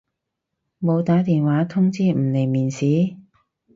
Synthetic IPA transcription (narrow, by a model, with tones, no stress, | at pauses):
mo˨˧wt̪aː˨˥t̪iː˨nwaː˨˥t̪ʰʊ˥ŋt͡siː˥m̩˨˩le˨˩jmiː˨˩nsiː˨˥